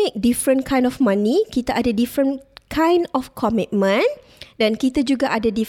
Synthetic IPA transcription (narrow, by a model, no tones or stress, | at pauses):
ek̚difɾə̃nkʰãjndɔfmãnĩkit̪aʔadədifɹə̃nkʰãjndɔfkʰɔmit̚mə̃n | dɛ̃nkit̪ad͡ʒuɡaʔadədi